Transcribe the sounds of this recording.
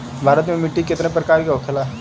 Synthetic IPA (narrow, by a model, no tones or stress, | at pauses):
bʱaːɾət̪mẽmɪʈːikɪt̪nepəɾkaːɾikeokʰela